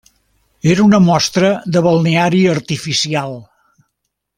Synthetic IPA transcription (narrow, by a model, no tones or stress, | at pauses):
eɾunəmɔst̪ɾəðəβəlˠneaɾiəɾt̪ifisialˠ